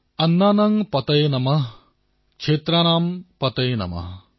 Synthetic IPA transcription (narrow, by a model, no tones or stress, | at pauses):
ɐnːaːnɐŋpɐt̪ɐjnɐmɐɦ | kʂʰeːt̪ɾaːnaːmpɐt̪ɐjnɐ̰mɐ̰h